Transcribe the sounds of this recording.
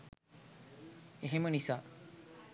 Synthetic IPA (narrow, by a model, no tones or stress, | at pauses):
eɦemənisa